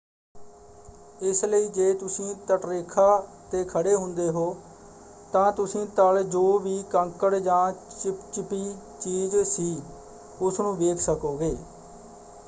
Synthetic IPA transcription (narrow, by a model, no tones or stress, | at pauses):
ɪsləiːd͡ʒeːt̪ʊsĩːt̪əʈɾeːkʰaːt̪eːkʰəɽeːɦʊnd̪eːɦoː | t̪ãːt̪ʊsĩːt̪aːld͡ʒoːʋiːkəŋkəɽd͡ʒãːt͡ʃɪpt͡ʃɪpiː | t͡ʃiːzsiː | ʊsnũːʋeːkʰsəkoːɡeː